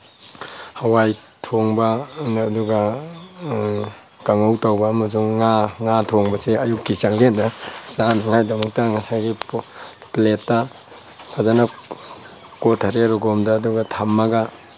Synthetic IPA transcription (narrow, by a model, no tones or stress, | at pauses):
hawaj | tʰɔŋbanduɡa | kaŋowtawbaːmas̬uŋːaŋatʰoŋbaseajukːisaŋlendasanaŋajdɐmɔk̚taŋasajɡi | pletːa | kʰazana | kotʰaɾeɾɔɡɔmdaːduɡatʰamːaɡa